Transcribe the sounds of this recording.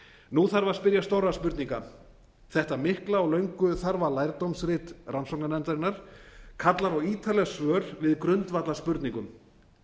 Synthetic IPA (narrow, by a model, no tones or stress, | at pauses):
nuθaɾvaspɪɾjast̪owraspʏɾt̪niŋka | θɛht̪amɪhklaaɣlœɥŋkʏθaɾvalajɾt̪owmsɾɪt̪ransɔwknanɛnt̪aɾɪnːaɾ̥kʰat̪laɾɔɣiːt̪ʰalɛɣasvœːɾ̥vɪðkɾʏnt̪vat̪laspʏɾt̪niŋkʏm